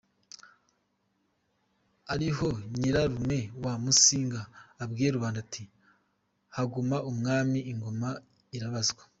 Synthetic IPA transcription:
aɾiɦo̞ɲiɾaɾume̞wamusiːŋɡaːbɡijeɾuβaːndatʰi | haɡumaʔumŋaːmiʔːŋɡo̞ma | iɾaβazɡwḁ

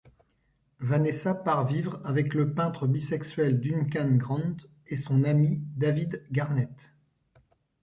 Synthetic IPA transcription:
vanesapaʁvivʁavɛkləpɛ̃t̪χəbisɛksɥɛld̪ynkanɡʁɑ̃d̪ | esɔ̃namid̪avid̪ɡaʁnɛt̪

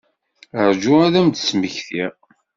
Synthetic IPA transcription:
əɾd͡ʒuæðæmd̪sməçθi

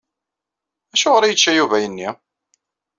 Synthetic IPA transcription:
æʃʊʁɾæjət͡ʃːæjuvæjənːi

